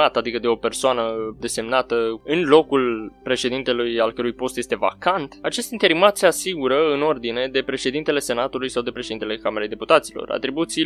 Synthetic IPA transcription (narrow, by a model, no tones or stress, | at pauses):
at̪ad̪ikəd̪e̞o̞pe̞rsoanəd̪e̞se̞mnat̪əɨnlo̞kulpɾe̞ʃe̞d̪int̪e̞lujalkəɾujpo̞st̪jest̪e̞va̰kant̪at͡ʃe̞st̪int̪e̞ɾimat̪se̞asiɡuɾəɨno̞rd̪ine̞d̪e̞pɾe̞ʃe̞d̪int̪e̞le̞se̞nat̪ulujsawd̪e̞pɾeʃeint̪elekameɾejd̪eput̪at̪silo̞̰ɾa̰t̪ɾibut̪si